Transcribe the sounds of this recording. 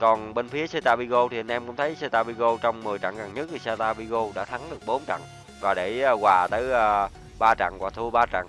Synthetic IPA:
kɔ˨˩nɓe˧nfi˨˦əse˧t̪aː˧ɓi˧ɣo˧t̪ʰi˨˩ə˧nʔɛ˧mkʊ̰˧˥ŋ͡mt̪ʰə˨˦jse˧t̪aː˧ɓi˧ɣo˧t͡ɕɔ˧wŋ͡mmɨ˨˩əjt͡ɕa̰˧˨ŋɣa˨˩ŋɲə˦˥t̚t̪ʰi˨˩sa˧t̪aː˧ɓi˧ɣo˧ɗa̰ː˧˥t̪ʰa˨˦ŋɗɨ˨˩ək̚ɓo˨˦nt͡ɕa̰˧˨ŋ | vaː˨˩ɗeː˧˩˧ɣwaː˨˩t̪əː˨˦jʔəː˧ | ɓaː˧t͡ɕa̰˧˩ŋvwaː˨˩t̪ʰu˧əɓaː˧t͡ɕa̰˧˨ŋ

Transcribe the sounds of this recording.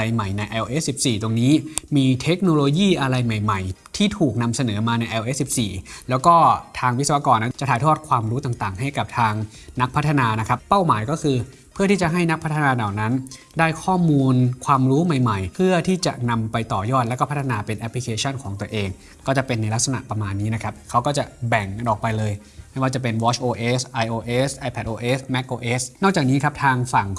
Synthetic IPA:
a˧jma˨˩jna˧jʔɛː˧wʔeː˦˥ssi˨˩p̚siː˨˩t̪o˧ŋniː˦˥miː˧t̪ʰe˦˥k̚noː˧loː˧jiː˥˩ʔa˧ɾa˧jma˨˩jma˨˩jt̪ʰiː˥˩t̪ʰuː˨˩k̚na˧msa˧nɤː˩˦maː˧na˧jʔɛː˧wʔe˦˥si˨˩p̚siː˨˩lɛː˦˥wkɔː˥˩t̪ʰaː˧ŋwi˦˥sa˧wa˧˥kɔː˧nːa˦˥nt͡ɕa˨˩ʔt̪ʰaː˦jt̪ʰɔː˥˩t̪̚kʰwaː˧mɾuː˦˥t̪aː˨˩ŋt̪aː˨˩ŋɦa˥˩jka˨˩p̚t̪ʰaː˧ŋ | na˦˥k̚pʰt̪ʰːa˧naː˧na˦˥kʰɾa˦˥pːa˥˩wmaː˩˦jkɔː˥˩kʰɯː˧ | pʰɯ˥˩iː˥˩t͡ɕa˨˩ɦa˥˩jna˦˥k̚pʰt̪ʰːa˧naː˧daː˨˩na˦˥n | daː˥˩jkʰɔː˥˩muː˧nkʰwaː˧mɾuː˦˥ma˨˩jma˨˩jpʰɯ˥˩ɐt̪ʰiː˥˩t͡ɕa̰˨˩ʔna˧mpa˧jt̪ɔː˨˩jɔː˥˩t̪lɛ˦˥wkɔ˥˩pʰa˦˥t̪ʰːa˧naː˧pe˧nʔɛ˦˥pʰli˧kʰeː˧t͡ɕʰɔ˥˩nkʰɔː˩˦ŋt̪u˧ɐʔeː˧ŋ | kɔː˥˩t͡ɕa˨˩pe˧nːa˧jla˦˥k̚sa˧na̰˨˩ʔpɾa˧maː˧nːiː˦˥na˦˥kʰa˦˥p̚kʰa˦˥wkɔː˥˩t͡ɕa˨˩bɛ˨˩ŋa˧nʔɔː˨˩k̚pa˧jlɤː˧j | ma˥˩jwaː˥˩t͡ɕa˨˩pe˧nwɔː˦˥t͡ɕʰʔoː˧ʔeː˦˥sʔa˧jʔoː˧ʔeː˦˥sʔa˧jpʰɛ˨˩t̪̚ʔoː˧ʔeː˦˥smɛ˦˥k̚ʔoː˧ʔeː˦˥snɔː˥˩k̚t͡ɕaː˨˩k̚niː˦˥kʰa˦˥p̚t̪ʰaː˧ŋfa˨˩ŋ

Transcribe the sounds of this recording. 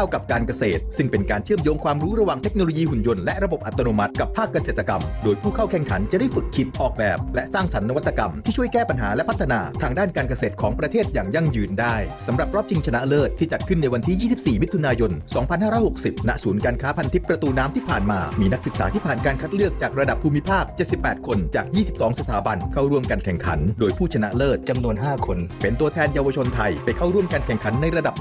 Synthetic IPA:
kʰa˥˩wka˨˩p̚kaː˧nka˧seː˨˩t̪sɯ˥˩ŋpe˧nkaː˧nt͡ɕʰɯ˥˩əmjoː˦˥ŋkʰwaː˧mɾuː˦˥ɾa˧waː˨˩ŋt̪ʰe˦˥k̚noː˧lo˧jiː˧hu˨˩njo˧nlɛ˦˥ʔɾa˧bo˨˩p̚ʔa˨˩t̪ːa˧noː˧ma˦˥t̪̚ka˨˩pʰːaː˥˩kːa˧seː˨˩t̪ːa˧ka̰˧mdoː˧jpʰuː˥˩kʰa˥˩wkʰɛ˧˩ŋkʰa̰˩˦nt͡ɕa˨˩ʔda˥˩jfɯ˨˩kʰːi˨˩p̪̚ʔɔː˨˩k̚bɛ̰ː˨˩p̚lɛ˦˥ʔsaː˥˩ŋsa˩˦nːa˧wa˥t̪ːa˧ka˧mt̪ʰiː˥˩t͡ɕʰu˥˩əjkɛː˥˩pa˧nɦaː˩˦lɛ˦˥ʔpʰa˦˥t̪ʰːa˧naː˧t̪ʰaː˧ŋdaː˥˩nkaː˧nk̬a˧seː˨˩t̪̚kʰɔː˩˦ŋpɾa˧t̪ʰeː˥˩t̪̚jaː˨˩ŋja˧˩ŋjɯː˧ndaː˥˩jsa˩˦mɾa˨˩p̚ɾɔː˥˩p̚t͡ɕi˧ŋt͡ɕʰa˧na˦ʔa˧lɤː˥˩t̪ʰːiː˥˩t͡ɕa˨˩t̪̚kʰɯ˥˩nːa˧jwa˧nt̪ʰiː˥˩jiː˥˩si˨˩p̚siː˨˩mi˦˥t̪ʰːu˧naː˧jo˧nsɔː˩˦ŋpʰa˧nhaː˥ɾɔː˦˥jho˨˩k̚si˨˩p̚na˦˥ʔsuː˩˦nkaː˧nkʰaː˦˥pʰa˧nt̪ʰi˦˥pːɾa˧t̪uː˧naː˦˥mt̪ʰiː˥˩pʰaː˨˩nmaː˧miː˧na˦˥k̚sɯ˨˩k̚sa̰ː˩˦t̪ʰiː˥˩pʰaː˨˩nkaː˧nkʰa˦˥t̪̚ɾɯ˥˩ək̚t͡ɕaː˨˩k̚ɾa˧da˨˩pʰːuː˧mi˦˥pʰaː˥˩k̚t͡ɕe˨˩t̪̚si˨˩pːɛː˨˩t̪̚kʰo˧nt͡ɕaː˨˩k̚jiː˥˩si˨˩p̚sɔː˩˦ŋsa˧t̪ʰaː˩˦ba˧nkʰaː˥˩wɾu˥˩əmkaː˧nkʰɛ˨˩ŋkʰa̰˩˦ndoː˧jpʰuː˥˩t͡ɕʰa˧na̰˦˥ʔlɤː˥˩t̪̚t͡ɕa˧mnu˧ənɦaː˥˩kʰo˧npe˨˧nt̪u˧ət̪ʰɛː˧njaː˧wa˧t͡ɕʰo˧nt̪ʰa˧jpa˧jkʰa˥˩wɾu˥˩əmkaː˧nkʰɛ˨˩ŋkʰa˨˩˦nːa˧jɾa˧da˨˩p̚

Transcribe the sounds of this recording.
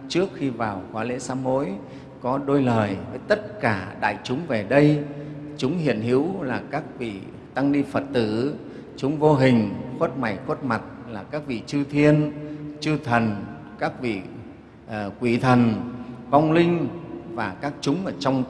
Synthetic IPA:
t͡ɕɨ˦˥ək̚xi˧vaː˨˩wkwaː˨˦lḛ˧˥saː˨˦mo˧˨˦j | kɔ˨˦ɗo˧jləː˨˩jvəː˨˦jt̪ə˦˥t̚kaː˧˩ɗa̰ː˧˨jt͡ɕʊ˨˦ŋ͡mve˨˩ɗə˧jt͡ɕʊ˨˦ŋ͡mɦḭ˧˨ənɦḭ˧˥əwlaː˨˩kaː˦˥k̚vḭ˧˨ | t̪a˧ŋɗi˧fə˨˩t̚t̪ɨ˧˩ | t͡ɕʊ˨˦ŋ͡mvo˧ɦï˨˩ŋ̟xwə˦˥t̚ma˨˩jxwə˦˥t̚ma˨˩t̚laː˨˩kaː˦˥k̚vḭ˧˨t͡ɕɨ˧t̪ʰi˧ənt͡ɕɨ˧t̪ʰə˨˩n | kaː˦˥k̚vḭ˧˨˩ | kwi˧˩t̪ʰə˨˩nva˧wŋ͡mlï˧ŋ̟vaː˨˩kaː˦˥k̚t͡ɕʊ˨˦ŋ͡mʔəː˧˩t͡ɕɔ˧wŋ͡m

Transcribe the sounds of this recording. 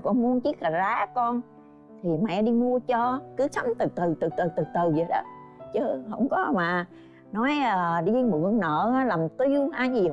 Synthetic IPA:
kɔ̰˧˩mu˧ənt͡ɕi˦˥k̚haː˨˩zaː˨˦kɔ˧n | t̪ʰi˨˩mɛ̰˧˥ɗi˧mu˧ət͡ɕɔ˧kɨ˨˦sa˨˦mt̪ɨ˨˩t̪ɨ˨˩t̪ɨ˨˩t̪ɨ˨˩t̪ɨ˨˩t̪ɨ˨˩zə˨˩jɗɔ̰˨˦t͡ɕəː˨˦hə̰˧˩wŋ͡mkɔ˨˦maː˨˩ | nɔ˨˦jəː˨˩ɗi˧mɨ̰˧˨əŋnə̰ː˧˨aː˨˦laː˨˩mt̪i˧əwʔaː˧jzi˨˩

